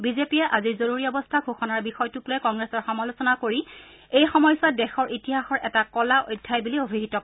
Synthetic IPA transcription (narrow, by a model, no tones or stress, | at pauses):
bizepijɛʔaziɹzoɹuɹiɔbɔstʰaɡʱuxɔnaɹbixɔjtukloɛjkɔŋɡɹesɔɹxɔmalosɔnakoɹi | ejxɔmɔjsadɛxɔɹʔitiɦaxɔɹʔɛtakɔlaʔojdʱːajbuliobʱiɦitɔk